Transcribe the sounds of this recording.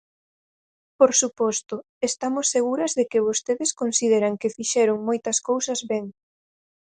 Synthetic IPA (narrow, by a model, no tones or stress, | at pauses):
poɾsupɔst̪ʊ | est̪amʊsːeɣ̞uɾɐzðekɪβ̞ost̪eðɪskonsið̞eɾɐŋkɪfiʃɛɾʊŋmojt̪ɐskowsɐzβɛŋ